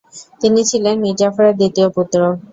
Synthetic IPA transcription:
t̪init͡ɕʰilenmiafoɾeɾd̪it̪ioput̪ːɾo

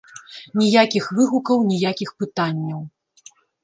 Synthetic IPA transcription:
nʲijakʲixvɨɣukɐwnʲijakʲixpɨt̪anʲːɐw

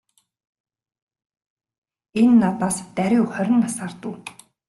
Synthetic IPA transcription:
enːat̪aːst̪æɾʲʊwχœɾʲɪ̆ŋasaːrt̪ʊː

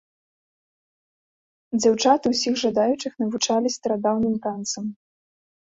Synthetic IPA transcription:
d͡zʲawt͡ʂat̪ɨwsʲixʐad̪ajut͡ʂɨxnɐvut͡ʂalʲist̪ɐɾad̪awnɨmt̪ant̪sɐm

